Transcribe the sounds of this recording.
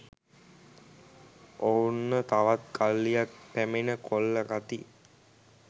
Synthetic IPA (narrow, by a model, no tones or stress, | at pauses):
ounːət̪aʋat̪kalːijak̚pæmenəkʰolːəɡat̪i